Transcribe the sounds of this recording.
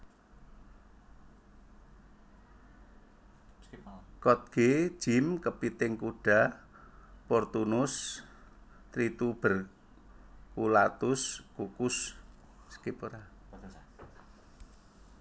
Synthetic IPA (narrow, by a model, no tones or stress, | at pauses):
kɔt̪̚ɡ̥e̥ʒ̥ɪ̤mkəpit̪ɪŋkuɖ̥a̤ | pɔrt̪unʊs | t̪ɾit̪ub̥ə̤r | kulat̪ʊskukʊs | skipuɾa